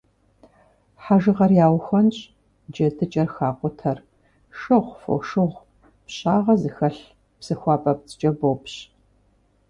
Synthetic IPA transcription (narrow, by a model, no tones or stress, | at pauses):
ħaʒɨʁɐrjaːwxʷɐnɕʼ | d͡ʒɐdʰɨt͡ʃʼɐrxaːqʷʊtʰɐr | ʃɨʁʷfo̰wʃɨʁʷ | pɕʼaːʁɐzɨxɐɬ | psɨxʷɑːpʼɐp̚t͡sʼɨt͡ʃʼɐboːpɕ